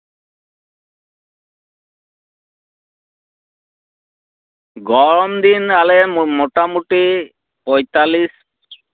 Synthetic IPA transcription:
ɡɔɾɔmd̪inalemoʈamuʈi | pɔjt̪alis

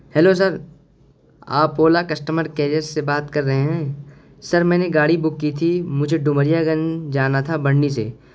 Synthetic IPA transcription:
hɛlos̬ɐɾ | a̰ːpoːlakɐsʈəməɾkɛːɾijəɾsːebaːt̪kɐɾːɐɦeɦɛ̃ː | sɐɾmɛ̃ːneɡaːɽibʊkːit̪ʰimʊd͡ʒʱeɖʊməɾijaɡənd͡ʒaːnat̪ʰabɐɽnisḛː

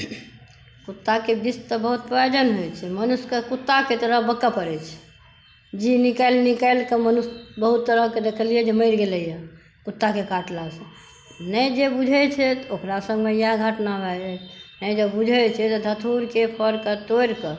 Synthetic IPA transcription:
kut̪ːakebist̪ɔbəɦut̪̚pɾjod͡ʒənɦojt͡ʃʰɛmənuskekut̪ːaket̪əɾəɦbəkːapəɾɛt͡ʃʰɛ̥ | d͡ʒinikalnikaɪlkemənusbəɦut̪ːəɾəɦked̪ekʰəliɛd͡ʒeməɪɾɡeləja | kut̪ːakekaʈlasẽ | nɛjd͡ʒebud͡ʒʱɛt͡ʃʰɛt̪okɾasə̃ŋɡmejaɡʱəʈnabʱɛɛnəd͡ʒəbud͡ʒʱɛt͡ʃʰɛt̪ɔd̪ʱət̪ʰuɾkepʰəɾkət̪ojɾkə

